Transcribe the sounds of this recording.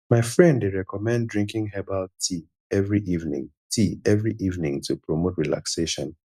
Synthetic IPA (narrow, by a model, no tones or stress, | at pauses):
maɪfɹɛ̃ndeɹɛkɔmɛ̃ndɹĩŋkɪ̃ŋɦɛbaltʰi | ɛvɹiʔivnɪ̰̃ŋ | tʰiɛvɹiʔivnĩŋtʰupɹomotɹila̰kseʃɔ̃n